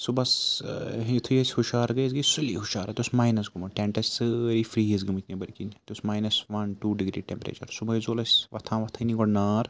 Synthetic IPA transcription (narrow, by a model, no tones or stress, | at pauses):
subɐsɦit̪ʰujɐsʲhuʃaːɾɡɐjzɡɐsulḭːɦuʃaːɾɐt̪ʲosmaːjnɐsɡumɐʈeɳʈɐsʲsɨɾifɾiːɦiz̬ɡumut̪ʰʲnibɐɾkint̪ʲosmaːjnɐsʋɐnʈuːɖiɡɾḭːʈempɾḛːt͡ʃɐɾsubɐjzoːlɐsʲʋɐt̪ʰãːʋɐt̪ʰɐniɡoɽnaːɾ